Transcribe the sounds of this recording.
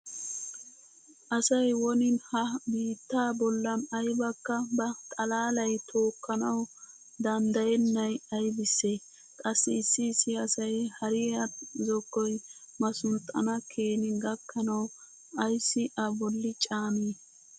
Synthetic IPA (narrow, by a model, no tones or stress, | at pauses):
ʔɐsɐjwɔnɪnhɐbiːt̪ːaːbɔlːɐnɐjbɐkːɐbɐt̪ʼɐlaːlɐjt̪ʰo̞ːkːɐnɐw | d̪ɐnd̪ɐjɛnːɐjɐjbɪsːeː | kʼɐsːɪɪsːɪːsːɪɐsɐjhɐɾɪɐzɔkːɔj | mɐsʊnt̪ʼːɐ̰nɐkʰeːnɪɡɐkːɐnɐw | ɐjsːɪʔɐbɔlːɪt͡ʃʼaːmeː